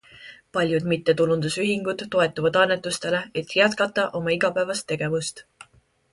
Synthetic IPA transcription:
pɑlʲjud̪mit̪ːe̞t̪ulund̪̥usyɦiŋɡ̥ud̪̥ːo̞e̞t̪ːˑuvɑd̪̥ɑnːe̞t̪ːˑust̪e̞le̞et̪ːˑjæt̪̚kɑt̪ːˑɑʔo̞mɑiɡ̥ɑpæevɑst̪ːe̞ɡ̥e̞vust̪

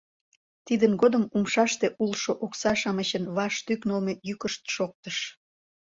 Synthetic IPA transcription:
t̪id̪ənɡod̪əmumʃɑʃt̪eʔulʃoʔoksɑʃɑməɕənβɑʃt̪yknolmejykəʃt̪ʃok̚t̪əʃ

